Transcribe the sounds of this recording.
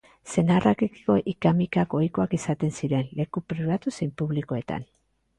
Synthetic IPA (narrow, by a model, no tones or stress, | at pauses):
se̞narakekiko̞ʔikamikako̞jko̞akisat̪e̞nsiɾe̞nle̞kupɾiβat̪usempuβliko̞e̞t̪a̰n